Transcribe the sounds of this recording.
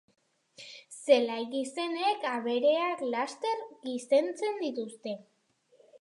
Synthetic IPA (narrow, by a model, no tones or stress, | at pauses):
se̞lajɣise̞ne̞kaβe̞ɾe̞aklast̪e̞ɾɡise̞nt͡se̞nd̪it̪ust̪e̞